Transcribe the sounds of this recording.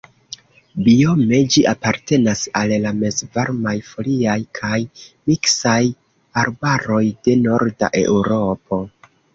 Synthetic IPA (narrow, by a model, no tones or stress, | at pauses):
bio̞me̞d͡ʒiʔapaɾte̞nasallame̞zvaɾmajfo̞liajkʰajmiksaj | aɾbaɾo̞jde̞no̞ɾda̰ʔe̞̰wɾo̞po̞